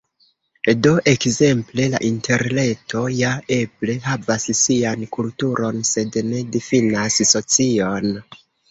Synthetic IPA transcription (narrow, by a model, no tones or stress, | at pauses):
do̞ʔe̞kze̞mple̞la̰ʔintʰe̞ɾne̞tʰo̞jae̞ble̞ɦavassiankultuɾo̞nse̞dne̞difinasso̞t͡sio̞n